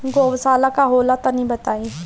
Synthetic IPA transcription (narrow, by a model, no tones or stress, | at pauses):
ɡoːʋəsaːlakaɦoːlat̪anɐĩbət̪aːi